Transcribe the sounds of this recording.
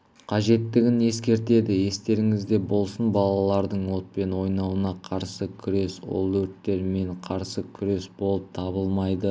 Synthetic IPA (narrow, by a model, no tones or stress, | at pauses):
qʰɑʒe̞t̪ːɪɡʲɪne̞skʲe̞ɾt̪e̞d̪ɪje̞st̪e̞ɾɪŋɪzd̪e̞bo̞lˠsənbɑlˠɑlˠɑɾd̪əɴwo̞t̪̚pe̞nwo̞jnɑwənɑqʰɑɾsəkʲʰʏɾe̞swo̰lˠwɵɾt̪ːe̞ɾme̞ɴqʰɑɾsəkʲʰʏɾe̞sbo̞lˠəp̚t̪ʰɑbəlˠmɑjd̪ə